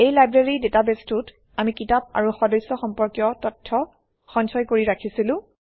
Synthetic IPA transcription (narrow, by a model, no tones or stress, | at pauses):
ejlajbɹeɹidetabestut | amikitap̚a̰ɹuxɔdɔjsːɔxɔmpɔɹkjɔtɔtʰːɔ | xɔnsɔjkoɹiɹakʰisilʊ̃